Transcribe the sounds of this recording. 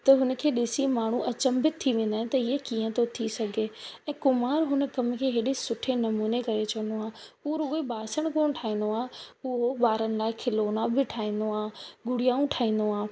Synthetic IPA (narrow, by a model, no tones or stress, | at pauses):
t̪ɐɦʊnə̆kʰeːɗɪsimaːɳ̤uʔɐt͡ɕə̃mbɪt̪̚t̪ʰːiʋẽːnd̪aːɪ̃ñɪt̪ɐɦiekiːə̃t̪ʰot̪ʰisɐɡʱeɛ̃ːkʊmaːɾɦʊnə̆kɐm̆kʰeːɦeːɗesʊʈʰenɐmuːnekɐɾet͡ɕʰɐnd̪oaːuɾʊɡebaːsəɽ̃koːɽ̃ʈʰaːɦĩːn̆d̪oaːɦeʊɦoɓaːɾənɪ̆laːɪkʰɪloːnabɪʈʰaːɦĩːn̆d̪oaːɡʊɽijaːũʈʰaːɦĩːn̆d̪oaː